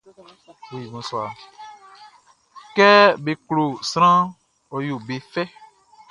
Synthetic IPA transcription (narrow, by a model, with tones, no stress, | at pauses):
be˨ji˨mũ˨swa˨ | kɛ˦be˨klo˨sɾ̃ã˦ | ɔ˨jo˨be˨fɛ˦